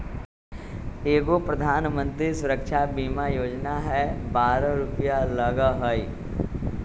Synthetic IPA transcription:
eːɡopɾɐd̪ʱaːnmə̃nt̪ɾisʊɾəkʃabiːmajoːd͡ʒnaɦɛbaːɾaɾʊpjaləɡəɦəi

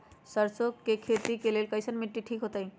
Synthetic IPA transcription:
səɾsokːekʰet̪ikelelkəjsənmiʈːiʈʰikɦot̪əɦj

